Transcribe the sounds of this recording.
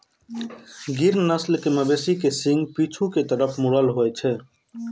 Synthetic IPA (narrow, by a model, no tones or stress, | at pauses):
ɡiɾnəslkeməbesikesiŋɡpit͡ʃʰuket̪əɾəpʰmuɾəlɦoɛt͡ʃʰɛ